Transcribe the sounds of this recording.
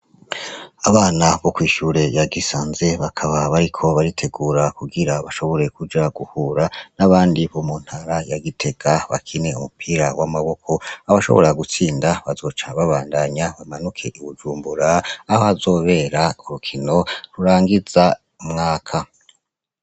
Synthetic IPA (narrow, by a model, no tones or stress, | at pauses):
aβaːnaβo̞kwiːʃuːɾe̞jaɡisaːnze̞βakʰaβaβaɾikʰo̞βaɾitʰe̞ɡuːɾakuɡiɾaβaʃo̞βo̞ɾe̞kud͡ʒaɡuhuɾanaβaːndiβomun̥haɾajaɡitʰe̞ɡaβa̰kʰine̞umupʰiːɾawamaβo̞kʰo̞aβaʃo̞̰βoɾaɡut͡siːndaβazo̞ːt͡ʃaβaβaːndaɲaβamanukʰe̞ʔiβud͡ʒuːmbuɾaːhohazo̞ːβe̞ɾauɾukʰino̞ɾuɾaːŋɡiz̥a | umŋaːkʰa